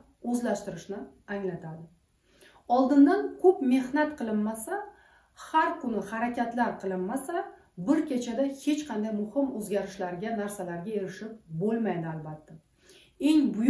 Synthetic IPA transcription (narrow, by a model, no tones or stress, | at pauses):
ɵzlaʃt̪ɪɾɪʃnɪ | aŋlat̪ʰad̪ɪ | ɒlˠd̪ɪnd̪ankʰɵpme̞hnat̪qʰɨlˠɪnːasa | haɾkʰʊnɪhaɾakʲat̪laɾqʰɨlˠɪnːasa | bɪɾkʲe̞t͡ʃʰad̪ahe̞t͡ʃqʰɑnd̪ajmʊhɪmɵzɡʲaɾɪʃlaɾɡʲanaɾsalaɾɡʲae̞ɾɪʃɪp̚bolˠmajd̪ɪalˠbat̪ːa | e̞ŋbʊj